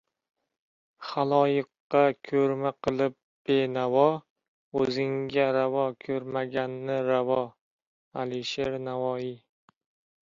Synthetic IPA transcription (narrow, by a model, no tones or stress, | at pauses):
χalˠɒjɪqːɑkʲʰɵɾmaqʰɨlˠɪp̚ | b̥enavɒ | ɵzɪŋɡʲaɾavɒkʰɵɾmaɡʲanːɪɾavɒ | aliʃeɾnavɒi